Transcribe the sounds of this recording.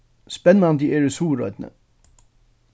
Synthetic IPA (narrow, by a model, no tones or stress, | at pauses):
spɛnmɑnd̪iʔeːɹəsuːɾœ̰ʏd̪nə̰